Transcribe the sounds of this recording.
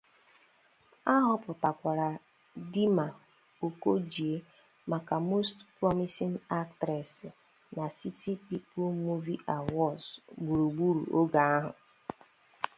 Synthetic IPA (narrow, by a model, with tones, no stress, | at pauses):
a˦ɦʊ˨pʊ˨ta˨kʷa˨ɾa˨ | di˦ma˨ | o˨ko˦d͡ʒi˨e˦ | ma˨ka˨mo˦stpɾɔ˦mi˦si˦na˦k̚tɾɛ˨sɪ˨ | na˨si˦ti˦pi˦pʊ˦l̩mu˦vi˦ʔa˨wɔ˦sɡ͡bu˨ɾu˨ɡ͡bu˦ɾṵ˨ʔo˦ɡa˨a˦ɦʊ̰˨